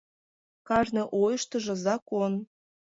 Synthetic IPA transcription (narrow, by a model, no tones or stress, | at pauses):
kɑʒnɤ̆ʔojɤʃt̪ə̆ʒɤ̆zɑkon